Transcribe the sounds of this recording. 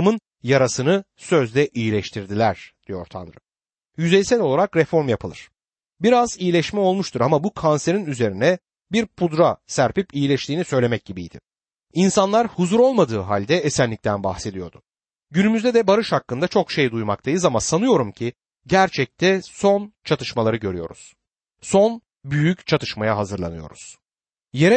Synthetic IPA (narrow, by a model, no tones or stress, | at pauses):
ɯmɯn | jaɾasɯnɯ | sø̞zd̪ʲɛʔijilʲɛʃt̪ʰiɾd̪ilʲæɾ̥d̪̥ijo̞̰ɾt̪ʰa̰nɾɯ̰ | jyzejsɛlʲo̞lˠaɾakɾɛfo̞ɾmjapʰɯlˠɯɾ̥ | biɾazijilʲɛʃmɛo̞lˠmuʃt̪ʰuɾamabukʰanse̞ɾinyze̞ɾinɛ | biɾpʰud̪ɾasæɾpipijilʲɛʃlʲiːnisø̞jlʲe̞mɛc̚ɟibijd̪ɪ̰ | insanlˠaɾhuzuɾo̞lˠmad̪ɯːɦa̰lʲd̪ɛesænlːʲic̚t̪ʰænba̰xse̞d̪ijo̞ɾd̪ʊ | ɟynymyzd̪ɛd̪ɛbaɾɯʃhakːɯnd̪at͡ʃʰo̞kʃejd̪ujma̰k̚t̪ʰajɯzamasanɯjo̞ɾumcʰi | ɟæɾt͡ʃʰɛc̚t̪ʰɛso̞nt͡ʃʰat̪ʰɯʃmalˠaɾɯɟø̞ɾyjo̞ɾṵz̥ | so̞n | byjyct͡ʃʰat̪ʰɯʃmajaɦazɯɾlˠa̰nɯjo̞̰ɾuz̥ | je̞ɾɛ